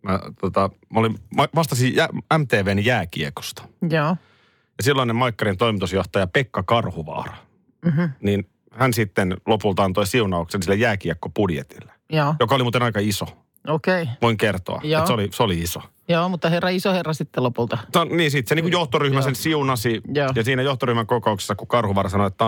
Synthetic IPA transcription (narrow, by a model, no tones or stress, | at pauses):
mæt̪ot̪ɑ | molimɑʋɑst̪ɑsijææmt̪eːʋeːnjæːkḭeko̥st̪ɑ̥joː | jɑsilːɑinːemɑikːɑɾint̪oimit̪usjoht̪ɑjɑpekːɑkɑrhuʋɑ̰ːrɑ | ɦnin | hænsit̪ːenlopult̪ɑɑnt̪oisiunɑuksensilːæjæːkiekːopudjḛt̪ilːe̥joːjokɑolimuːt̪enɑikɑiso | okeiʋoiŋkert̪o̰ɑ̰jːseolisoliiso̥ | joːmut̪ːɑherːɑisoherːɑsit̪ːelopult̪ɑsɑniːnsit̪seniːŋkujoht̪oryhmæsensiunɑsijoːjɑsiːnæjoht̪oryhmæŋkokoukse̥sːɑkukɑrhuʋɑːɾɑsɑnoet̪ːæ